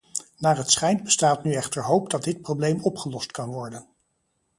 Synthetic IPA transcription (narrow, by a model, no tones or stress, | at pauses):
naːɹɦətsχɛjndbəstaːtnyɛχtəɹɦowpdɑd̚dɪt̚prowblejmɔpχəlɔstkɑnʋɔɹdən